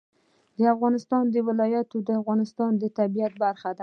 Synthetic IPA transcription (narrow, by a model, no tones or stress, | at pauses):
d̪ɪafʁɑnɪst̪ɒnd̪ɪwɪlɒjat̪ud̪ɪafʁɒnɪst̪ɒnd̪ɪt̪ʰabijat̪̚baɾχad̪a